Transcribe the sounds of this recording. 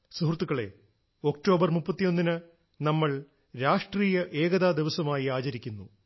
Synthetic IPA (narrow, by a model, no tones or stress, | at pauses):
suɦurt̪ːukːɐɭe̞ | o̞kto̞ːbɐrmupːɐt̪ːijo̞nːinɨ | nɐmːɐɭ | ɾaːʂʈriːjɐʔe̞ːɡɐðaːd̪iʋɐsɐmaːjiaːt͡ɕɐɾikʲːunːu